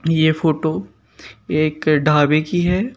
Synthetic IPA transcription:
jefoːʈo | eːkɖʱaːbekiɦɛː

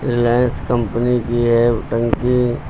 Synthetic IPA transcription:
ɾɪlaːjnskə̃mpənikiɦɛʈə̃ŋki

